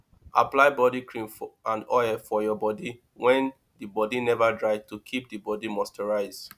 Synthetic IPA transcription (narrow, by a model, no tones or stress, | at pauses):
ʔaplaɪbɔdikʰɹĩnfãndɔɛfɔjɔbɔdi | wɛ̃n | dibɔdinɛvadɹaɪvtukʰip̚dibɔdimɔstɛɹaɪz